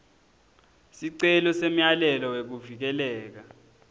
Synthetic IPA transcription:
siǀɛlɔsem̩jalɛlɔwek̬uvik̬ɛlɛːk̬a

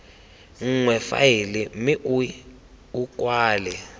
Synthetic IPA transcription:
ŋ̩ŋwɛfa̰jilimiʔu | ukʼwaːlɛ

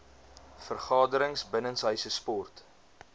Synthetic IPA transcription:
fərχɑːdəɾəŋsbənənsɦœɥsəspɔrt

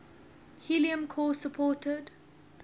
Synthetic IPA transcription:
hiliə̃mkʰɔːsəpʰɔːtʰəd

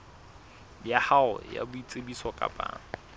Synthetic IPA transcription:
jahaʊ̰ja̰bʊit͡sʼebisɔkʼa̰pʼa̰ːŋ̩

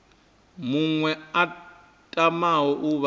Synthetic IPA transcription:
muŋwɛa | tʼamawɔʔuβ

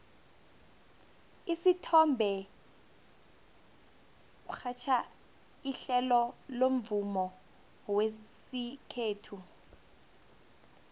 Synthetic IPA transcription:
isitʰɔmbʱɛ | k̬uxʰat͡ʃʰa | iɬɛlɔlom̩vumɔ | wesikʰeːtʰu

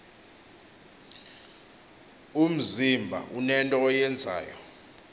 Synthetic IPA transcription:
um̩zimbʱa̰ʔunɛntʼɔːjɛnd͡zʱa̰ːjɔ

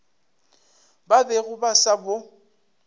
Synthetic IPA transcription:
babeɣʊbasabʊ

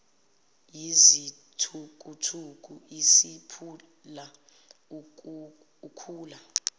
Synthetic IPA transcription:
jizi | tʰukʼutʰuk̬ʼuisipʰu | la | ukʰuːla

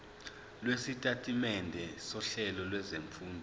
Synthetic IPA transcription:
lwesitʼatʼimɛndʱɛsɔɬɛlɔlwɛzeɱfuːndʱɔ

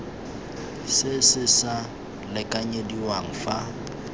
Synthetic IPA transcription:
sɪsɪsa | lɪkʼaɲediwaŋ̩fa

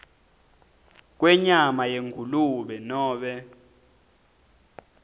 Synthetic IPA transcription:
k̬wɛɲamajeŋuluɓɛnɔːɓɛ

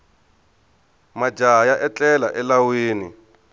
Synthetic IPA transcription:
mad͡ʒʱajaʔɛt͡ɬʼɛlaʔɛlawiːnḭ

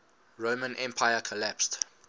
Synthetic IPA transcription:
ɹoʊmə̃nʔɛ̃mpʰaɪəkʰɔlæpst

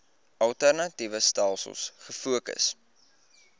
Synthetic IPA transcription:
ɐlˠtærnɐtivəstælˠsə̰lˠsχəfuəkə̰s

